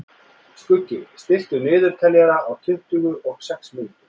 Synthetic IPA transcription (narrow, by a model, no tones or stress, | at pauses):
skʏcːɪst̪ɪl̥t̪ʏnʏːðʏɾ̥t̪ʰɛljaɾaʔawt̪ʰʏn̥t̪ʏːɣʏʔɔɣ̥sɛksmɪn